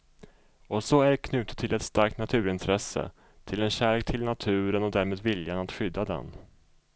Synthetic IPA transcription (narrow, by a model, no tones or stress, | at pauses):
ɔsɔæɖɛkʰnʉ̟ːt̪ə̥t̪ʰːɪlɛt̪st̪aɾk̚t̪nat̪ʰʉ̟ːɾɪnt̪ʰɾɛsːə̰ | t̪ʰɪlɛnɕæːɭeːk̚t̪ʰɪlnat̪ʰʉ̟ːɾənɔd̪æːɾmeːd̪vɪljanat̪ɧʏd̪ːad̪ɛ̰n